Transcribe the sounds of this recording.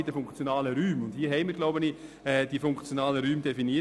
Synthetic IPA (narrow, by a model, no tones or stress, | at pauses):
ɪdəfʊŋkt͡sjonaːləɾyːmʊnd̥hiːəɦɛɪməɾɡ̥loʊbəni | ɛːd̥ifʊŋkt͡sjonaːləɾyːmd̥ɛfiniə